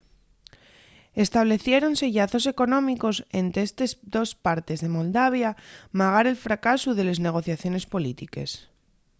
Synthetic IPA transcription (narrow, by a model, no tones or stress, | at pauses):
e̞st̪aβ̞le̞θje̞ɾo̞nse̞ʝaθo̞se̞ko̞nõ̞miko̞se̞̰nt̪ɾeest̪esd̪o̞spaɾt̪e̞zðe̞mo̞ld̪aβ̞jamaɣ̞aɾe̞lfɾakasuðe̞le̞zne̞ɣ̞o̞θjaθjo̞ne̞spo̞lit̪ike̞̰s